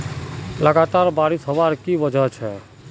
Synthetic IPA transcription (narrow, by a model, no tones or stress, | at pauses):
ləɡat̪aɾbaɾisɦəʋaɾkiʋəd͡ʒʱət͡ʃʰe